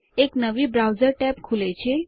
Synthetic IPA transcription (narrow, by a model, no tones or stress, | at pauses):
eknəʋiːbɾawd͡zəɾʈɛpkʰulet͡ɕe